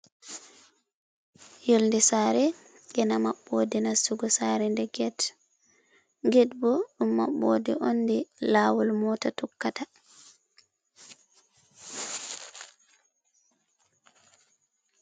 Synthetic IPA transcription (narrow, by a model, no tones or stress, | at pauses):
jolndɛsaːɾɛ | ɡɛnamaɓːɔdinasuɡɔsaːɾɛndɛɡɛt | ɡɛtbɔɗumːa̰ɓːo̰dɛʔonːdɛlawɔlmɔtatɔkːata